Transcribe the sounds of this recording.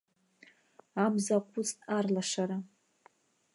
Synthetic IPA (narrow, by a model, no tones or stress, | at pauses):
abzaqʷʰʊt͡stʼarlaʂaɾa